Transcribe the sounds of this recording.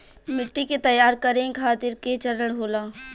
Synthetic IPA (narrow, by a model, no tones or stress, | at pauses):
mɪʈːiket̪ɐjaːɾkɐɾẽkʰaːt̪ɪɾket͡ʃɐɾəɽ̃ɦoːlãː